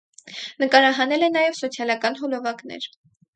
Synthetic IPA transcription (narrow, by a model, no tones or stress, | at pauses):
nəkɑɾɑɦɑnɛlɛnɑjɛvsɔt͡sʰjɑlɑkɑnɦɔlɔvɑknɛ̰ɾ